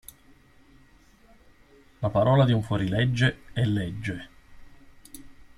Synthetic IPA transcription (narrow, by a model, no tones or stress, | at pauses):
lapaɾɔːlad̪iuɱfwɔɾilɛd͡ʒːeɛlːɛd͡ʒːe